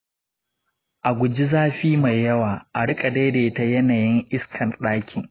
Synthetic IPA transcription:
ʔa˨ɡʷʊ˨d͡ʒi˦zaː˦ɸiː˦ma˨jːɐ˦waː˨ʔa˨ɽɪ˦kʼa˨deː˦deː˨˦ta˦jɐ˦naː˨jɪ˦ŋʔɪ˦skʰɐ˨nɗaː˦kʲʰɪ˨ŋ

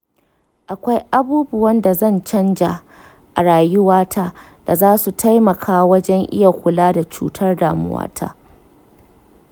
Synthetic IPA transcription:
ʔa˨kʷa˦jʔa˦buː˦bʊ˦wɐ˦nda˨zɐ˦˨nt͡ʃɐ˦nd͡ʒa˨ | ʔa˨ɽaː˨jʊ˦waː˦tʰaː˦ | d̥a˨zaː˦su˨tʰa˦jmɐ˨kʰaː˦wɐ˦d͡ʒɛ˦ŋʔɪ̰˦ja˨kʷʊ˨laː˦da˨t͡ʃṵː˦tʰɐ˦rdaː˨mʊ̰˦wa̰ː˦tʰa̰ː˦

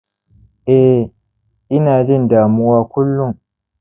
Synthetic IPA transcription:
ʔɛ˦ | ʔɪ˦naː˨d͡ʒɪ˦˨ndaː˨mʊ˦waː˦kʷʊ˦lːʊ˦˨ŋ

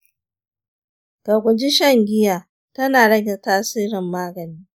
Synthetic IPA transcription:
ka˨ɡʷʊ˨d͡ʒi˦ʃɐ˦˨ŋɡʲɪ˦jaː˨ | tɐ˦naː˨ɽɐ˦ɡʲɛ˨taː˦siː˦ɾɪ˨mːaː˦ɡɐ˨niː˦

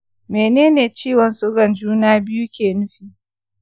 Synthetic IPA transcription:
meː˨neː˦neː˨t͡ʃiː˦˨wɐ˨nsʊ˦ɡɐ˨nd͡ʒuː˦naː˦bɪ˦ju˦kʲeː˨nʊ˦ɸiː˨

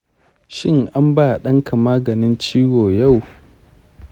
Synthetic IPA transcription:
ʃɪ˦ŋʔa˦mbaː˦˨ɗɐ˦ŋkʰa˨maː˦ɡɐ˨nɪ˦nt͡ʃiː˦woː˨ja˦˨w

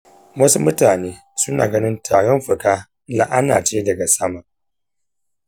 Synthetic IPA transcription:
wɐ˦su˦mʊ˦taː˨neː˦ | sʊ˦na̰ː˨ɡɐ˦nɪ˦ntʰaː˨ɽɔ˦mɸʊ˨kaː˦ | la˨ʔa˦na̰ː˨t͡ʃe˦dɐ˨ɡa˨sɐ˦ma˨ʔ

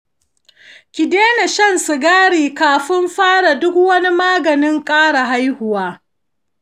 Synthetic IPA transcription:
kʲɪ˨deː˦na˨ʃɐ˦˨nsɪ˨ɡaː˦ɽiː˨kaː˨ɸɪ˦mɸaː˦ɽa˨dʊ˦kwɐ˦ni˦maː˦ɡɐ˨nɪ˦ŋkʼaː˦ɽa˨ɦa˦jhʊ˨waː˦

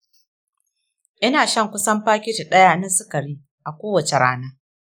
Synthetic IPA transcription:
ʔɪ˦naː˨ʃɐ˦˨ŋkʷʊ˦sɐ˦mɸaː˦kʲɪ˦d͡ʒi˨ɗɐ˦jaː˦na˦sʊ˦kɐ˨ɽiː˦ | ʔa˨kʷoː˦wɐ˨t͡ʃe˨ɽaː˦naː˦

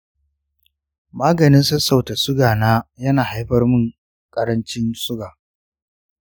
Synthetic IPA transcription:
maː˦ɡɐ˨nɪ˦nsɐ˦sa˨wta˨sʊ˦ɡaː˨naː˦jɐ˦naː˨ha˦jɸɐ˦rmʊ˦˨ŋ | kʼɐ˦ɾɐ˦nt͡ʃɪ˦nsʊ˦ɡaː˨

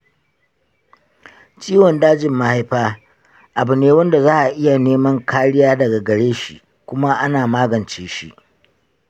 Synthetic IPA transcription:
t͡ʃiː˦wɔ˨ndaː˦d͡ʒɪ˨mːa˨ha˦jɸaː˦ | ʔa˨bʊ˨neː˦wɐ˦nda˨zaː˦ʔa˨ʔɪ˦ja˨neː˦mɐ˦ŋkʰaː˦ɽɪ˦jaː˦dɐ˨ɡa˨ɡɐ˨ɽeː˦ʃḭ˨ | kʷʊ˦ma˦ʔa˦naː˨maː˦ɡɐ˨nt͡ʃeː˦ʃḭ˦ʔ

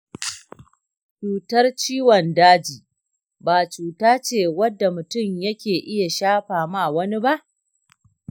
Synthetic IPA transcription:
t͡ʃuː˨tɐ˦rt͡ʃiː˦wɔ˨ndaː˦d͡ʒiː˨ | baː˨t͡ʃuː˨taː˦t͡ʃeː˦˨wɐ˦dːa˨mʊ˨tʊ˦˨mjɐ˦kʲeː˨ʔɪ˦ja˨ʃaː˦ɸaː˨ma˦˨wɐ˦ni˦ba˦ʔ

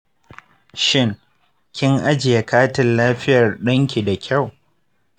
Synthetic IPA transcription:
ʃɪ˦ŋ | kʲɪ˦ŋʔa˦d͡ʒɪ˨ja˨kaː˦tɪ˨nlaː˦ɸɪ˦jɐ˨rɗɐ˦ŋkʲi˨da˨kʲʰa˦˨w

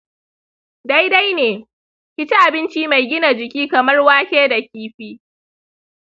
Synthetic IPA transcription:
da˦jda˦jneː˨ | kʲɪ˦t͡ʃɪ˦ʔa˨bɪ˦nt͡ʃiː˦ma˨jɡʲɪ˦na˨d͡ʒɪ˨kʲiː˦kɐ˨mɐ˦rwaː˦kʲeː˦da˨kʲiː˦ɸiː˦

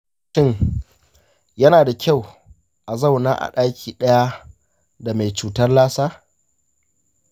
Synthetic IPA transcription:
ʃɪ˦ɲ | jɐ˦naː˨da˨kʲa˦˨w | ʔa˨za˦wnaː˦ʔa̰˨ɗaː˦kʲiː˨ɗɐ˦ja˦ | da˨ma˨jt͡ʃuː˨tɐ˦rlaː˦saː˦

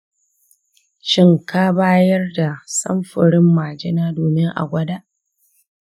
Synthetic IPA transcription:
ʃɪ˦ŋkaː˦baː˦jɐ˦rda˨sɐ̰˦mɸɪ˨ɽɪ˦mːaː˨d͡ʒɪ˦naː˦doː˨mɪ˦ŋʔa̰˨ɡʷɐ˦da˦ʔ

